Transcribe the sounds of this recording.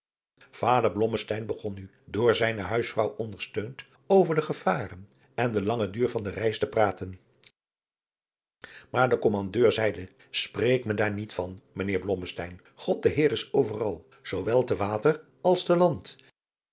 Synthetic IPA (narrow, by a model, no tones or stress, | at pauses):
v̥aːdəɹblɔməstɛjnbəχɔny | dʊːɹzɛjnəɦœɥsfrɑwʔɔndəɹstøɥnt | owvəɹdəχəv̥aːrən | ɛndəlɑŋədyːɹvɑndərɛjstəpraːtən | maːɹdəkɔmɑndøːɹzɛjdə | sprejkmədaːɹnitfɑnmənɪːɹblɔməstɛjn | χɔt̚dəɦɪːɹɪsowvərɑ̰lˠ | z̥owʋɛlˠtəʋaːtər | ɑlˠstəlɑnt